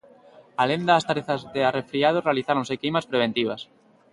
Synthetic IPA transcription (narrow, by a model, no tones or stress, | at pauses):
alend̪aːst̪aɾeθazðearefɾiað̞orealiθaɾõŋsekimaspɾeβ̞ent̪iβ̞as